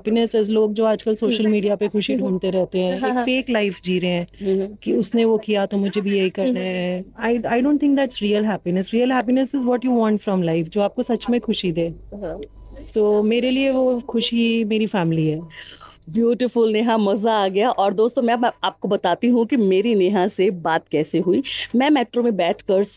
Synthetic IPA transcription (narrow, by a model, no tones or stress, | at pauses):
ɦpinəsɪzloːɡ̚d͡ʒoːaːd͡ʒkəlsoːʃəlmiːɖijapexʊʃiɖʱũːnt̪eɾɛɦt̪eɦɛ̃ːeːkfeːklaɪfd͡ʒiːɾeɦɛ̃ːkiʊsneʋokijat̪omʊd͡ʒʱebʱijɐɦikɐɾnaɦɛaːɪaːɪɖõːnʈt̪ʰɪ̃ŋk̚d̪æʈsɾiːəlɦæːpinəsɾiːəlɦæːpinəsɪzʋɔːʈjuːʋɔ̃ːɳʈfɾɔ̃mlaɪfd͡ʒoːaːp̚kosɐt͡ʃmẽxʊʃid̪eː | soːmeːɾelieʋoxʊʃimeːɾifæːmɪliɦɛː | bjuːʈɪfʊlneɦãmɐzaaːɡɐjaʔɔːɾd̪oːst̪õmɛ̃aːp̚kobɐt̪aːt̪iɦũkimeːɾineɦãsebaːt̪kɛːseɦuiːmɛ̃ːmɛːʈɾomẽbɛːʈʰkɐɾs